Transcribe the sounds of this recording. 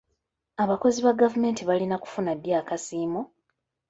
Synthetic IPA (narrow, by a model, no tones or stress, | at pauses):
aβako̞ziβaɡavume̞ːntiβalinaku̥funadjaːkasiːmo